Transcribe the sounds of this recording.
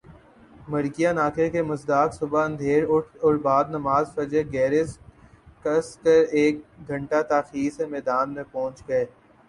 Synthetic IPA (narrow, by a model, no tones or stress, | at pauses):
mɐɾɡijanaːkʰekemɐzd̪aːksʊbaə̃nd̪ʱeːɾʊʈʰɔɾbaːd̪nɐmaːzfɐd͡ʒeɡɛːɾɪskɐskəɾeːk̚ɡʱɐ̃ɳʈat̪aːxiːɾsemɛːd̪aːnmẽpɔ̃ːt͡ʃɡɐeː